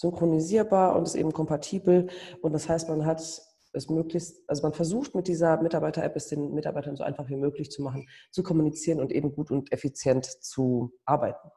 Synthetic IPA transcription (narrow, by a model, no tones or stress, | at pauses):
z̥ʏŋkʁ̥oniziːɐbaːɐʔʊ̰ntɛstʔḛːbm̩kʰɔmpatʰiːbl̩ʔʊntd̥ashaɪstmanɦat | ʔɛsmøːklɪçstʔalzomanfɛɐzuːxtmɪt̚d̥iːzɐmɪtaɐbaɪtɐʔɛpɛsd̥eːnmɪta̰ɐbaɪtɐnzoʔa̰ɪnfaχv̥iːmøːklɪçt͡sumaχn̩t͡sukʰɔmunit͡siːʁənʊntʔḛːbm̩ɡuːtʊntʔɛfit͡sjɛntt͡suʔaɐbaɪtn̩